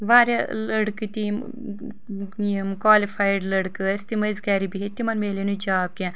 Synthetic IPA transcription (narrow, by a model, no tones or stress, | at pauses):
ʋaːɾelɐɽkɨt̪im | mkwaːlifʰaːiɖlɐɽkɨst̪imɐzkɛːɾibiɦet̪imɐnmeːlenud͡ʒaːb̚kʲɛ̃